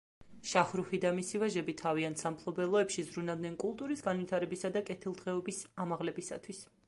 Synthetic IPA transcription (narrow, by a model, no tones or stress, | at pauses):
ʃaχɾuχid̪amisivaʒɛbit̪ʰaviant̪ʰsampʰlˠɔbɛlˠɔɛpʃizɾunavd̪nɛnkʼulˠt̪ʼuɾisɡanvit̪ʰaɾɛbisad̪akʼɛt̪ʰilˠd̪ʁɛɔbisamaʁlɛbisa̰t̪ʰwis